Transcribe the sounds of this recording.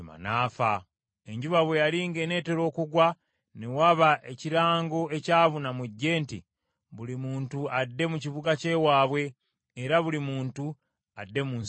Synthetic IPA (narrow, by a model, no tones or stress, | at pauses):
ma̰naːfa | e̞ɲɟuβaβwe̞jaliːŋɡe̞ne̞ːte̞ɾo̞ːkuɡwa | newaβaʔe̞ciɾaːŋɡo̞e̞caːβunamuɟːe̞ːntḭ | βulimuːntuadːe̞muciβuɡace̞waːβwe̞ː | ɾaβulimuːntu | adːe̞mun